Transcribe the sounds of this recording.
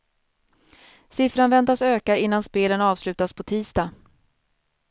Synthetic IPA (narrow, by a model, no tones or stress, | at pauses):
sɪfɾanvɛnt̪asøːkaɪnːanspeːlənɑːvslʉ̟ːt̪aspʰɔt̪ʰiːst̪a